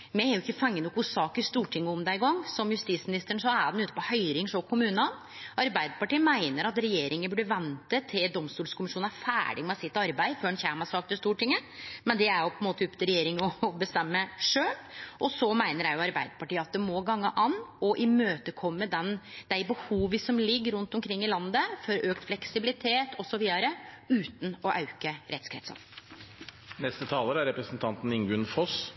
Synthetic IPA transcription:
mɛæjʊɪkːəfɑŋːənɔkːʊsɑːkəɾst̪uːʈʰɪŋːəʊmd̪æɪɪɡɑŋːsɔmjʉst̪iːt̪smɪnɪst̪əɳ̩sɔæɖɛnʉːt̪əpɔhœʏɾɪŋsɔkʰʊmʉːnən | ʔɑɾbæɪd̪əpɑʈiːəmæɪnəɾɑt̪ɾɛjeːɾɪŋənbʉɖəʋɛnt̪ət̪ʰːɪld̪ɔmst̪uːlskʰʊmɪʂuːnæfæ̰ːɖɪmɛsɪt̪ːɑɾbæɪføːɾɛnçæːmɑsɑːk̚t̪ɪst̪uːʈʰɪŋːəmɛnd̪ɛæɾjʊpʰɔɛnmoːt̪əʉpːət̪ʰɪɾɛjeːɾɪŋɔbəst̪ɛmːəːəʂøːlʔɔsɔmæɪnəɾjæɪjʊɑɾbæɪd̪əpɑʈiːəɑt̪̚ɛmɔɡɑŋːəʔɑnɔʔɪmøːt̪əkʰɔmːəd̪ɛnd̪̥æɪbəhuːʋəsɔmlɪɡːɾʉnt̪ɔmkʰɾɪŋːɪlɑnd̪əfɔɾøːkt̪flɛksɪbɪlɪt̪ʰeːt̪ʰɔsɔʋiːd̪ɑɾəʉːt̪n̩ɔʔɑ̰ʉkəɾɛt̪skʰɾɛ̰t̪sɑ̰ | nɛst̪ət̪ʰɑːləɾæɾɛpɾəsn̩t̪ʰɑnt̪n̩ɪŋɡʉnfɔs

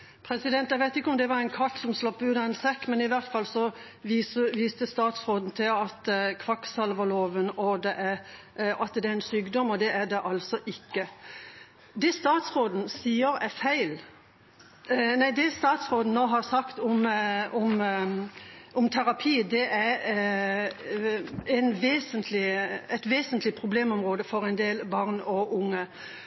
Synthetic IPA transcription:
pʰɾɛsɪd̪ɛnt̪jæɪɡʋæɪt̪ɪkːəɔmd̪ɛʋɑɾɛɪnkʰɑʈ̪sɔmslɑpːəʉːt̪ɑɛnsɛkːmɛnɪʋæʁt̪fɑlːsɔ | ʋiːsəʋiːst̪əst̪ɑːt̪sʁoːd̪n̩t̪ʰɪlɑt̪kʰʋɑksɑlʋəloːʋənɔd̪ɛʔæɾ | ɑt̪d̪ɛæɾɛnsyːɡd̪ɔmːɔd̪ɛʔædɛʔɑlsɔʔɪkːə | d̪ɛst̪ɑːt̪sʁoːd̪n̩siːəɾɛfæɪl | næɪd̪ɛst̪ɑːt̪sʁoːd̪n̩noːɦɑʁsɑkt̪ɔmɔm | ʔɔmt̪ʰæɾɑpʰiːd̪ɛʔæ | ɛɪnʋeːsənt̪ʰlɪɛɪt̪ʋeːsənt̪lɪpʰʁʊbleːmɔmʁoːd̪əfɔɾɛɪnd̪eːlbɑːʁnɔʔʊŋːə

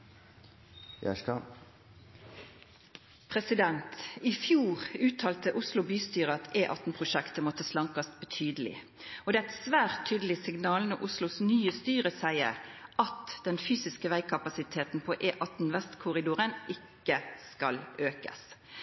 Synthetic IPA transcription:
jæ̰ʂkɑ | pʰɾɛsɪd̪ɛnt̪ɪfjuːʁʉːt̪ʰɑːlt̪əʔʊslʊbyːst̪yːʁəɑt̪ʰeːʔɑt̪n̩pʰʁʊʃɛkt̪əmɔt̪ːəslɑŋkɑsbɛt̪ʰyːd̪əlɪ̰ | ɔd̪ɛːæɪt̪sʋæːʁt̪ʰːyːd̪əlɪsɪɡnɑːlnɔʔʊslʊsnyːəst̪yːʁəsæɪə̰ɾɑt̪d̪̥ɛnfyːsɪskəʋæɪkʰɑpɑsɪt̪ʰeːt̪n̩pʰɔʔeːʔɑt̪n̩ʋɛst̪kʰʊʁɪd̪uːʁənʔɪkːəskɑlʔøːkə̰s

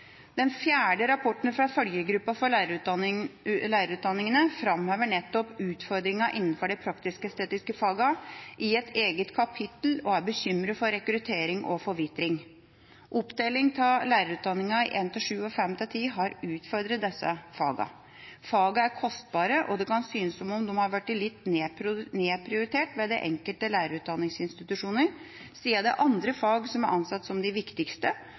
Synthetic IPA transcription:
d̪̥ɛnfjæːɖəɾɑpʰɔʈn̩fɾɑfœljəɡɾʉpːɑfɔɾɭæɾʉ | læːɾəɾʉːt̪d̪ɑnːɪŋənəfɾɑmhøːʋəɳɛt̪ːɔpʉːt̪fɔɾd̪ɾɪŋɑʔɪnːn̩fɔɖɛɪpʰɾɑkt̪ɪskəst̪eːt̪ɪskəfɑːɡɑʔɪɛt̪ʰeːɡət̪kʰɑpʰɪt̪l̩ɔæɾbəçʏmɾəfɔɾɛkɾʉt̪ʰeːɾɪŋʔɔfɔɾʋɪt̪ɾɪŋ | ʔɔpd̪eːlɪŋt̪ʰɪlæːɾəɾʉːt̪̚d̪ɑnːɪŋɑɪʔeːnt̪ɪlʂʉːɔfɛmːt̪ʰɪlt̪ʰiːɦɑɾʉːt̪fɔɾd̪ɾət̪̚d̪ɛsːə̰fɑ̰ːɡɑ̰ | fɑːɡɑæɾkʰɔst̪̚bɑːɾəʔɔd̪ɛkʰɑnsyːnəsɔmɔmd̪ɛmhɑɾʋæʈːɪlɪt̪ːneːneːpʰɾɪʊɾɪt̪ʰeːʈʋɛd̪ɛ̰ʔɛ̰ŋkəlt̪əlæːɾəɾʉːt̪̚d̪ɑnːɪŋsɪnst̪ɪt̪ʉʂuːnəɾ | siːəd̪ɛʔɑnd̪ɾəfɑːɡsɔmæɾʔɑnsɑt̪ːsɔmd̪ɪʋɪkt̪ɪkst̪ə

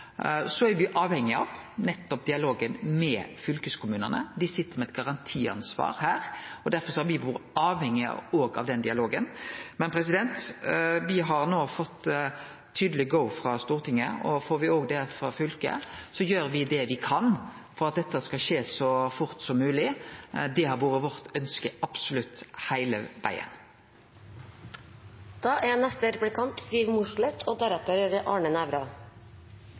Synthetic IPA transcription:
sɔæɾʋɪʔɑːʋhɛŋːɪɑ̰ʋnɛt̪ːɔp̚d̪ɪɑloːɡənmɛfʏlkəskʰʊmʉːnə̰nə̰d̪ɪsɪt̪ːəɾmɛɛt̪̚ɡɑʁɑnt̪ʰiːɑ̰nsʋɑ̰ːɾhæːɾɔd̪æɾfɔɾsɔhɑɾʋɪʋuːɾɑːʋhɛŋːɪɑ̰oːɡɑ̰ʋd̪ɛnd̪ɪɑloːɡənmɛnpʰɾɛs̬ɪd̪ɛnt̪ʋɪɦɑɾnoːfɔt̪ʰː | yːd̪əlɪɡɔʊfɾɑst̪uːʁɾt̪ʰɪŋːəɔfoːɾʋɪoːɡd̪ɛfɾɑfʏlkə̰sɔjøːɾʋɪd̪ɛʋɪkʰɑn | fɔʁɑt̪̚d̪ɛt̪ːəskɑʃeːsɔfʊʁt̪sɔmːʉːlɪd̪ɛhɑʋuːɾəʋɔʁt̪œnskəɑb̥sʊlʉt̪hæɪlə̰ʋæ̰ɪə̰n | d̪̥ɑːʔɛnɛst̪əɾpɽɪkʰɑnt̪st̪yːʋmʊʂɭɛt̪ʰoːd̪æɾɛt̪əɾɾʔɑːɳənæʋɾɑ

